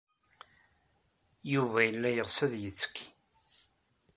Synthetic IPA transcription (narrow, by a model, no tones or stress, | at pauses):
juvæjəlːæjəʁsəðjət͡sːə̥kːi̥